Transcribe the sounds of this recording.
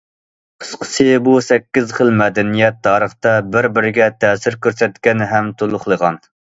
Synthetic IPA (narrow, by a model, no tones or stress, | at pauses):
qʰə̥sqʰə̥sʰɨbusɛkʲːizχəlˠmɛd̪ɛnijɛt̪̚d̪ɑːɾəχt̪ɛbɪɾbɪɾɪɡʲɛt̪ʰɛːsɪɾkʲøɾsɛt̪kʲɛnɦɛmt̪ʰolˠʊχlˠəʁɑn